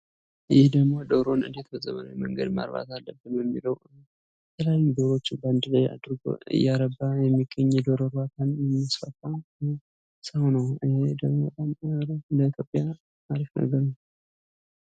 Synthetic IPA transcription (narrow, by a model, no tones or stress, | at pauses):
jɪhd̪əɡmo̞d̪əwɾo̞nɨ̰nd̪et̪bəzʼːəβə̰lawjməŋɡə̰d̪ma̰ɾβa̰t̪alːəbːɨnjɛmːiləw | bət̪ʰəlajːud̪oɾo̞t͡ʃːɪnband̪ɨləja̰d̪ɾɡo̰ɨ̰jːaɾəbːajɛmːiɡəɲːd̪oɾoɾat̪ʰanjɛmːasfat̪ʼːan | səwnəwəhed̪əɡmobət̪ʼamɾləit̪ʰjo̞pʼːja | maɾifnə̰ɡəɾnəw